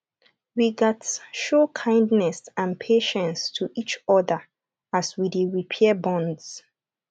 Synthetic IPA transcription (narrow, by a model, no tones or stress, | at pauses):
wiɡɛtʃokʰãɪ̃ndnɛsãnpʰeʃə̃nstʰuʔit͡ʃɔðə | aswidiɹipʰɛbɔ̃ndz̥